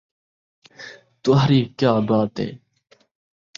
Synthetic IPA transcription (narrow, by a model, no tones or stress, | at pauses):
t̪uɦɾiːkjaːbaːt̪ḛː